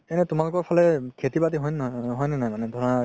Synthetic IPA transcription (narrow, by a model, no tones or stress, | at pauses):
ɛnɛtʊmalʊkɔɹpʰɔlɛkʰetibatiɦɔjnɦɔjnɛnajmanɛdʱɔɹɔna